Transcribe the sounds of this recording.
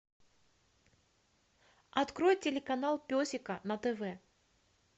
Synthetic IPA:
at̪kɾɔjtʲelʲɪkanalˠpʲɔsʲɪkɐnɐt̪ɛvɛ

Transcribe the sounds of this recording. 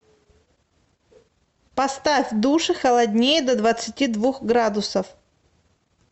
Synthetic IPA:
pɐst̪afʲd̪uʂɨxəlˠɐdʲnʲejəd̪ɐd̪vət̪sɨtʲid̪vuxɡɾad̪ʊsəf

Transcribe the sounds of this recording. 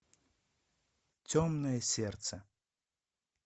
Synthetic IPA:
tʲomnəjəsʲert̪sə

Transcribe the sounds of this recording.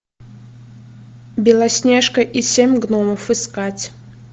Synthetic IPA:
bʲɪlˠasʲnʲeʂkəʔisʲemʲɡnɔməfɨskatʲ

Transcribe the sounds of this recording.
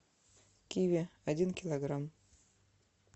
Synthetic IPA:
kʲivʲɪɐdʲinkʲɪlˠɐɡram

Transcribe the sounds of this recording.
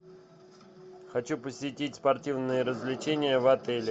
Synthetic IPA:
xɐt͡ɕupəsʲɪtʲitʲspɐrtʲivnɨjəɾəzvlʲɪt͡ɕenʲɪjəvɐt̪ɛlʲɪ

